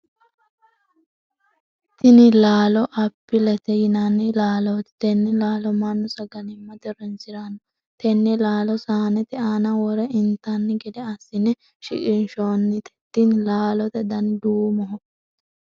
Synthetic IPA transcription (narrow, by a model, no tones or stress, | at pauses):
t̪ɪnɪlaːlɔʔɐpːɪlɛt̪ɛjɪnanːɪlaːlɔt̪ɛ̥t̪ɛnːɛlaːlɔmɐnːɔsɐɡɐnɪmːɐd̪ɛɾɔnsɪɾanɔ | t̪ɛnːɛlaːlɔsaːnɛt̪ɪaːnɐwɔɾɛɪnt̪anːɪɡɛd̪ɛɐsːɪnɛ | ʃɪ̰kʼɪnʃoːnːɪt̪ɛ̥t̪ːɪnlaːlɔt̪ɛd̪ɐnd̪uːmɔɦɔkː